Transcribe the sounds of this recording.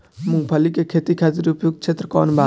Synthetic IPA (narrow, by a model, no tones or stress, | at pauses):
muŋɡpʰəlikekʰet̪ikʰat̪iɾiupjoɡ̚t͡ʃʰet̪ɾəkɔːnbaː